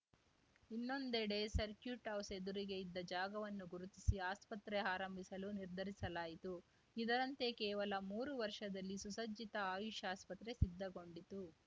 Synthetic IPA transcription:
inːo̞nd̪eɽe̞sɐɾkjuʈɐwsed̪uɾiɡe̞id̪ːɐd͡ʒaːɡɐʋɐnːuɡuɾut̪isiaːspɐt̪ɾeaːɾɐmbʱisɐluniɾd̪ʱɐɾisɐlaːjit̪u | id̪ɐɾɐnt̪e̞kɛːʋɐlɐmuːɾuʋɐɾʂɐd̪ɐlːisusɐd͡ʒit̪ɐaːjuʃaːspɐt̪ɾe̞sid̪ːɐɡo̞ɳɖit̪u

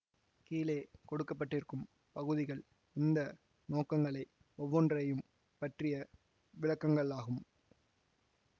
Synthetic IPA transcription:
kiːleːkɔɽɯkːɐp̬ːɐʈːɪrkɯm | pɐɣɯðɪɣɐɭ | ɪnd̪ɐ | noːkːɐŋɡɐɭɐɪ | ɔʋːɔndrɐjɯm | pɐʈrɪjɐ | ʋɪɭɐkːɐŋɡɐɭaːɣɯm

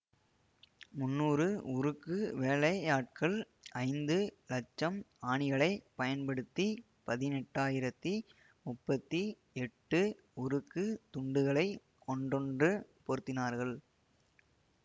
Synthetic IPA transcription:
mʊnːuːrɯʊɾɯkːɯʋeːlɐaːʈ̚kɐɭ | ɐɪnd̪ɯlɐt͡ʃːɐmaːɳɪɣɐɭɐɪpɐjɐnpɐɽɯt̪ːi | pɐðɪnɛʈːaːjɪɾɐt̪ːi | mʊpːɐt̪ːi | ɛʈːɯ | ʊɾɯkːɯt̪ʊɳɖɯɣɐɭɐɪ | kɔɳɖɔɳdrɯpɔɾɯt̪ːɪnaːɾɣɐɭ

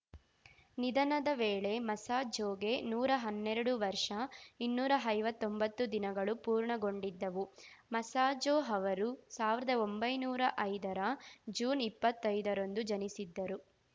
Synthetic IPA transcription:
nid̪ɐnɐd̪ɐʋeːɭe̞mɐsaːd͡ʒoːɡe̞nuːɾɐɦɐnːɛɾɐɽuʋɐɾʂɐinːuːɾɐɐjʋɐt̪ːo̞mbɐt̪ːud̪inɐɡɐɭupuːɾɳɐɡo̞ɳɖid̪ːɐʋumɐsaːd͡ʒoːɦɐʋɐɾusaːʋiɾɐd̪ɐombɐjnuːɾɐʔɐjd̪ɐɾɐd͡ʒuːnipːɐt̪ːɐjd̪ɐɾo̞nd̪ud͡ʒɐnisid̪ːɐɾu

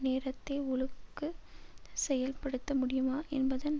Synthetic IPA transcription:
neːɾɐt̪ːeːʊɭɯkːɯsɛjɐlpɐɽɯt̪ːɐmʊɽɪjɯmaːʔɛnbɐðɐn

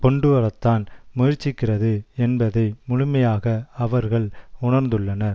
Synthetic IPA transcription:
pɔɳɖɯʋɐɾɐt̪ːaːnmʊjɪɾt͡ʃːɪkːɪrɐðɯɛnbɐðɐɪmʊɻʊmɐjaːɣɐɐʋɐɾɣɐɭʊɳɐɾnd̪ɯɭːɐnɐɾ

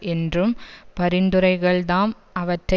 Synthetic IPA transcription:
ʔɛndrɯmpɐɾɪnd̪ɯɾɐɪɣɐɭðaːm | ʔɐʋɐʈrɐ

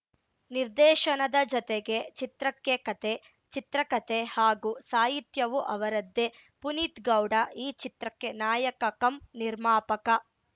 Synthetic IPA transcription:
niɾd̪ɛːʃɐnɐd̪ɐd͡ʒɔt̪eɡe̞t͡ʃit̪ɾɐkːekɐt̪e | t͡ʃit̪ɾɐkɐt̪ehaːɡusaːɦit̪jɐʋuʔɐʋɐɾɐd̪ːe̞ | punit̪ɡɐwɖɐiːt͡ʃit̪ɾɐkːe̞naːjɐkɐkɐmniɾmaːpɐkɐ

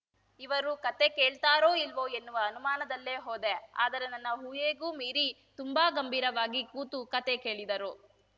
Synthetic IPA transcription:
iʋɐɾukɐt̪e̞keːɭt̪aːɾoːilʋo̞ːenːuʋɐːnumaːnɐd̪ɐlːe̞ːɦoːd̪e̞a̰ːd̪ɐɾe̞nɐnːɐɦuːjeːɡuːmiːɾi | t̪umbaːɡɐmbʱiːɾɐʋaːɡikuːt̪ukɐt̪e̞ke̞ːɭid̪ɐɾu

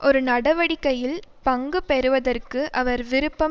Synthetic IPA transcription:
ʔɔɾɯnɐɽɐʋɐɽɪkːɐjɪlpɐŋɡɯpɛɾɯʋɐðɐrkɯʔɐʋɐɾʋɪɾɯpːɐ

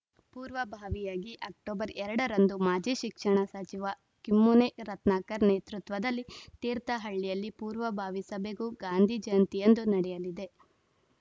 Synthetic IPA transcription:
puːɾʋɐbʱaːʋijaːɡiʔɐk̚ʈoːbɐɾɛɾɐɽɐɾɐnd̪umaːd͡ʒiʃikʂɐɳɐsɐt͡ʃiʋɐ | kimːuneɾɐt̪naːkɐɾneːt̪ɾut̪ʋɐd̪ɐlːit̪iːɾt̪ɐɦɐɭːijɐlːipuːɾʋɐbʱaːʋisɐbeɡuːɡaːnd̪ʱid͡ʒɐjɐnt̪ijend̪unɐɽɛjɐlid̪e̞

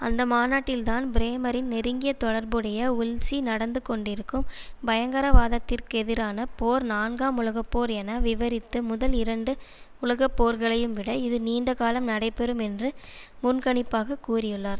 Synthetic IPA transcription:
ɐnd̪ɐmaːnaːʈːɪlt̪aːnbɪɾeːmɐɾɪnːɪɾɯŋɡɪjɐt̪ːɔɽɐɾbɯɽɐjɐʊlsinɐɽɐnd̪ɯkɔɳɖɪɾɯkːɯmbɐjɐŋɡɐɾɐʋaːðɐt̪ːɪrkɯɛðɪɾaːnɐpoːɾnaːnɡaːmʊlɐɣɐpːoːɾɛnɐʋɪʋɐɾɪt̪ːɯmʊðɐlɪɾɐɳɖɯʊlɐɣɐpːoːɾɣɐɭɐjɯmʋɪɽɐɪðɯniːɳɖɐkaːlɐmnɐɽɐɪpːɛɾɯmɛndrɯmʊnkɐɳɪpːaːɣɐkuːrɪjɯɭːaːɾ

